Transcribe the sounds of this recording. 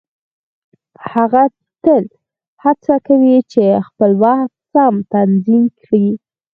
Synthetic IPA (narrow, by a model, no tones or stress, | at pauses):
haɣa | t̪əl | hat͡sakawit͡ʃexpəlwaxt̪samt̪anzimki